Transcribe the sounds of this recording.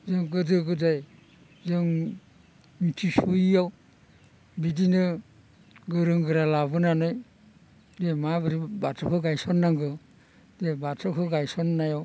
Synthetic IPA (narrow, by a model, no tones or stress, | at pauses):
zɯŋɡɯdɯɡɯdaj | zɯŋ | mitʰisujaw | bidinɯ | ɡɯɾɯŋɡɯɾalaβɯnanɯj | demabɯɾibatʰɔkʰɯɡajsɔnːaŋɡɯ | debatʰɔkʰɯɡajsɔnːajaw